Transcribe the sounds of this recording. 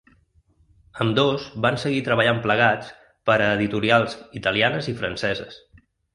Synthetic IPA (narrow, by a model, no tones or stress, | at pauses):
əmd̪ozbansəɣit̪ɾəβəʎampləɣ̞at͡s | pəɾəːðit̪uɾialˠzit̪əlianəzifɾənsɛzəs